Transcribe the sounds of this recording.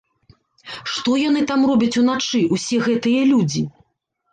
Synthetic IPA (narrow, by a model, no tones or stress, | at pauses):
ʂt̪ɔjan̪ɨt̪amrɔbʲɐt͡sʲun̪at͡ʂɨʔusʲɛɣɛt̪ɨjɐlʲud͡zʲi